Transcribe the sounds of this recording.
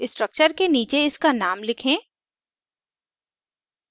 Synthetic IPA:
ɪsʈɾək̚t͡ʃəɾkeniːt͡ʃeɪskanaːmlɪkʰẽː

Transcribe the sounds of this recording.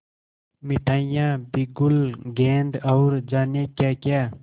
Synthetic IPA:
miʈʰaːjãːbiɡulɡeːnd̪əwɾd͡ʒaːnekaːkjaː

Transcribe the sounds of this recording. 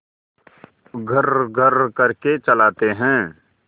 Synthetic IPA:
ɡʱɐɾɡʱɐɾkɐɾket͡ʃɐlaːt̪eɦɛ̃ː

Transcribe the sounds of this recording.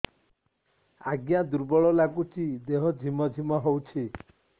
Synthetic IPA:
aɡjad̪uɾbɔɭɔlakut͡ʃid̪eɦɔd͡ʒʱimɔd͡ʒʱimɔɦowt͡ʃʰi

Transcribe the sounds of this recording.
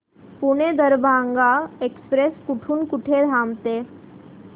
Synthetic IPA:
puɽ̃ed̪əɾbʱãŋɡaekspɾeskuʈʰuːnkuʈʰed̪ʱamt̪e

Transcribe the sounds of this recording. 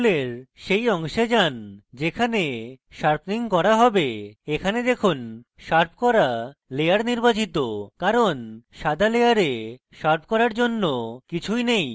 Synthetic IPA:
leɾʃejɔŋʃed͡ʑand͡ʑekʰane | ʃaɾpʰniŋkɔɾaɦɔbeekʰaned̪ekʰun | ʃaɾp̚ʰkɔɾaleaɾniɾbat͡ɕit̪okaɾonʃad̪ʱalejaɾe | ʃaɾp̚ʰkɔɾaɾd͡ʑonːokit͡ɕʰujnej

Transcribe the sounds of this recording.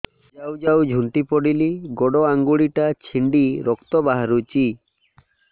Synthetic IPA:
d͡ʒawd͡ʒawd͡ʒʱuɳʈipɔɽiliɡɔɽɔaŋɡuɽiʈat͡ʃʰiɳɖiɾɔkt̪ɔbaɦaɾut͡ʃi

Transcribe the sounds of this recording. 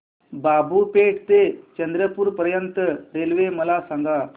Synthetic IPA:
babʱupeʈt̪et͡ɕənd̪ɾəpuːɾpəɾjənt̪əɾelʋeməlasãŋɡa

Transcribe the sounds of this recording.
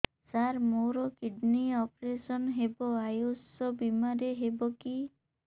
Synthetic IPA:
saɾmoɾɔkiɖniɔpɾesɔnɦebɔajusɔbimaɾeɦebɔki

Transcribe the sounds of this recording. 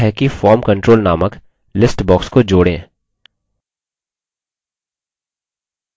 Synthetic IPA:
ɦɛkifɔːɾmkə̃ɳʈɾoːlnaːmək | lɪsʈbɔːkskod͡ʒoːɽḛ̃ː

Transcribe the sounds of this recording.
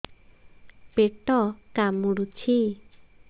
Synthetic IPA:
peʈːɔkamuɽut͡ɕʰi

